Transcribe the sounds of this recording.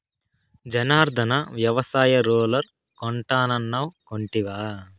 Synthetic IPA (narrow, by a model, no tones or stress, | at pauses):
d͡ʒɐnaːɾd̪ʱɐnɐʋjɐʋɐsaːjɐɾoːlɐɾ | koɳʈaːnɐnːɐwkoɳʈiʋaː